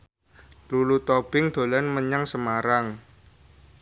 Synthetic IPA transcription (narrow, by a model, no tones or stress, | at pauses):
lulut̪ɔb̥ɪŋd̪̥o̤lanməɲaŋsəmaɾaŋ